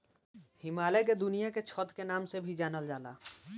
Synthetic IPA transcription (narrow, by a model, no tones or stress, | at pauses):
hɪmaːleked̪ʊnijaket͡ʃʰɔːt̪kenaːmsebʱid͡ʒaːnəld͡ʒaːla̰ː